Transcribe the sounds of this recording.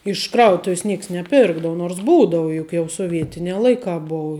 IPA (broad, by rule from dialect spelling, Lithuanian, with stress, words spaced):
ɪʃ ˈkrɐʊtʊws ˈnʲiɛks nʲɛˈpʲɪrɡdɐʋʊ noːrs ˈbuːdɐʋɐ ˈjʊk jɛʊ soːˈʋʲiɛtʲɪnʲɛː ˈlˠɐɪkɑː ˈbʊʊ